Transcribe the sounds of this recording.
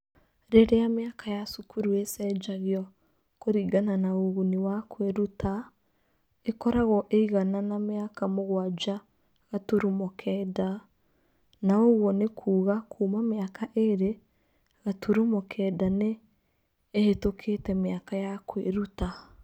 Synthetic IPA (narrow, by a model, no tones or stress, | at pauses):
ɾeɾejameakʰajasukʰuɾuesɛd͡ʒaɣjɔ | koɾiːɡananaoɣuniwakweɾutʰa | ekɔɾaɣɔʔeiɣananameakamoɣwad͡ʒa | ɣatoɾumɔkʰɛːda | naoɣwɔnekʰuːɣakʰuːmameakʰaʔeɾe | ɣatoɾumɔkʰɛːdaneː | hetokʰetɛmeakajakweɾuta